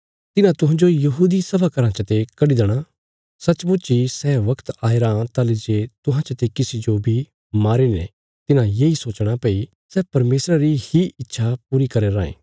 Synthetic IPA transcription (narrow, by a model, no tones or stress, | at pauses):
t̪ɪnãt̪ʊɦãːd͡ʒojɐɦuːd̪isɐbʱakɐɾãt͡ʃət̪ekɐɽid̪eɽ̃a | sɐt͡ʃbʊt͡ʃisɛːʋɐkt̪aːeɾãːt̪aːled͡ʒeːt̪ʊɦãt͡ʃət̪ekɪsid͡ʒobʱi | maːɾenḛ̃ | t̪ɪnãjeːisoːt͡ʃɽ̃apeːi | sɛːpɐɾmeːsɾaɾihiɪtːʃʰap̚uːɾikɐɾeɾãːḛ̃ː